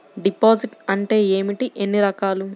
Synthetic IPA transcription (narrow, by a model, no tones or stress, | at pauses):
ɖipoːd͡ʒiʈɐɳʈe̞ːeːmiʈiʔenːiɾɐkaːlu